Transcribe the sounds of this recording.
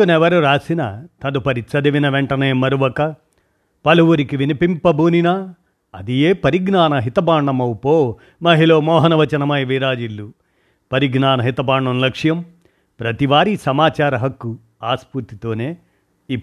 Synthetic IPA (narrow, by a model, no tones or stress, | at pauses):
unɛʋɐɾuɾaːsinɐt̪ɐd̪upɐɾit̪sɐd̪iʋinɐʋeɳʈɐneːmɐɾuʋɐkɐ | pɐluʋuɾikiʋinipimpɐbʱuːninɐ | ɐd̪ijeːpɐɾiɡnaːnɐɦit̪ɐbaːɳɖɐmɐwupoː | mɐɦiloːmɔːɦɐnɐʋɐt͡ʃɐnɐmɐjiʋiɾaːd͡ʒilːu | pɐɾiɡnaːnɐɦit̪ɐbaːɳːɐmlɐkʂjɐm | pɾɐt̪iʋaːɾisɐmaːt͡ʃaːɾɐɦɐkːu | aːspuɾt̪it̪o̞ːneː | i